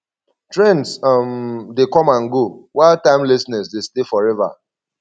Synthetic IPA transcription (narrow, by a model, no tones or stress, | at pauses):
tɹɛ̃ndsmdekɔ̃mãnɡowaɪltãɪ̃mlisnɛsdestefɔɹɛva̰